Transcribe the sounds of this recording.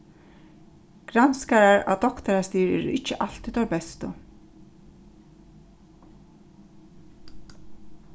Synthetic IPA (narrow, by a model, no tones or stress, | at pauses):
ɡ̥ɾanskaɾaɹa̰wd̪ɔkt̪aɾast̪iːɾɛ̰ːɾɪt͡ʃːəʔal̥t̪it̪ʰɔɾbɛst̪ʊ